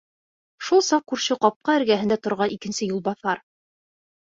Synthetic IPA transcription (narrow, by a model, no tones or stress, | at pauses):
ʃulˠsɑq̚kʉɾɕɘqɑp̚qɑɘ̆ɾɡæɦɘ̆nd̪æt̪ŏɾʁɑʔikɘ̆nsɘjulˠbɑθɑɾ